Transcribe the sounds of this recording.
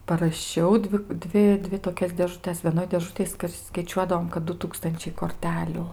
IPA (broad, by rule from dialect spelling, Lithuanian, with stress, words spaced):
pɐrɐˈʃʲɛʊ ˈdʲʋʲɪ ˈdʲʋʲɪ ˈdʲʋʲɪ toːˈkʲɛs dʲeːʒʊˈtʲɛs ʋʲiɛˈnoːj dʲeːˈʒʊtʲeːj skɐɪˈt͡ʃʲuɔdɐʋoːm kɐt ˈdʊ ˈtuːkstɐnʲt͡ʃʲɛɪ koːrʲˈtʲæːlʲʊ